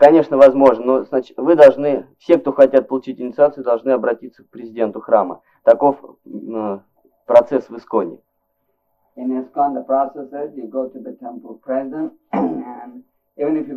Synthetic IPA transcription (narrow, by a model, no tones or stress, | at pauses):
kɐnʲe̞ʂnəvɐzmo̞ʐnənoznat͡ɕɪ̥t̪vɨd̪ɐlˠʐnɨfsʲe̞k̚t̪oxɐtʲat̪̚pəlˠʊt͡ɕitʲɪnʲɪt̪sɨat̪sɨʊd̪ɐlˠʐnɨɐbɾɐtʲit̪sək̚pɾʲɪzʲɪdʲe̞nt̪ʊxɾamə̰ | t̪ɐko̞f | pɾɐt̪sɛsvɨskonʲɪ̰ | ɪ̃nɪskɔ̃nd̪əpɹɔsɛsɪzjɨɡoʊtɨðətʰɛ̃mpəlˠpʰɹɛzɪd̪ə̃nt | n | ivə̃nɪfjɨ